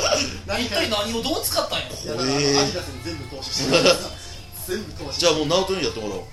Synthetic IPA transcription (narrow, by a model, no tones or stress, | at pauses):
it̪ːainaɲimod̪oːt͡sɨ̥kat̪ːãj̃joeid̪asɨnzẽmbɯt̪oɕ | ẽmbɯt̪od͡ʑaːmoːnaot̪õjat̪ːemoɾa̰